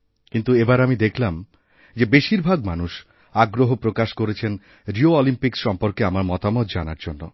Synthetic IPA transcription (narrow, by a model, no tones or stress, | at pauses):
kint̪uebaɾamid̪ekʰlam | d͡ʑebeʃiɾbʱaɡmanuʃ | aɡɾoɦopɾokaʃkoɾet͡ɕʰen | ɾioɔlimpikʃɔmpoɾkeamaɾmɔt̪amot̪d͡ʑanaɾd͡ʑonːo̰